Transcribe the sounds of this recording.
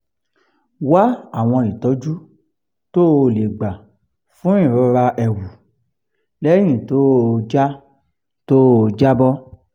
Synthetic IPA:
wa˦a˦˨w̃ɔ̃˧i˨tɔ˨˦d͡ʒu˦ | to˦o˧˨le˨ɡ͡ba˨ | fũ˦ĩ˦˨ɾu˦ɾa˧ʔɛ˧wu˨ | lɛ˦j̃ĩ˨to˨˦o˧d͡ʒa˦ | to˦o˧d͡ʒa˦bɔ˦

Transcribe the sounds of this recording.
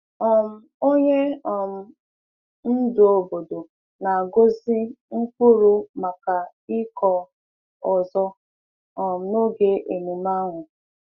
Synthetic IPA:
ɔ˨m̩˦ | o˦ɲe˦ɔ˨m̩˨ | n̩˦do˨o˨bo˨do˨ | na˨a˨ɡo˦zi˦ŋ̩˦ku˦ɾu˦ma˨ka˨ | ɪ˦kɔ˦ | ɔ˨zɔ˦˨ | m̩˨˦no˦ɡe˦ʔe˨nu˨ma˦ŋʷʊ˨

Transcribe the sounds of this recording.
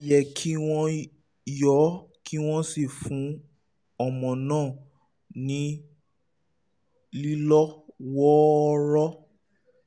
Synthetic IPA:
jɛ˨kʰi˦w̃ɔ̃˦ | jɔ˨˦kʰi˦w̃ɔ̃˦si˦˨fũ˨˦ | ɔ˦˨mɔ̃˨nãː˦˨ | nĩ˨˦ | li˦lɔ˦wɔ˦˧˦ɾɔ˦

